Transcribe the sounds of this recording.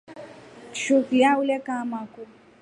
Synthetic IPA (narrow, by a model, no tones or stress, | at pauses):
ʃukijaulɛkamaku